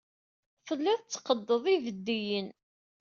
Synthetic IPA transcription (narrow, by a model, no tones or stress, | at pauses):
fəlːæθˤt͡sːqəd̪ːəðˤivəd̪ːijən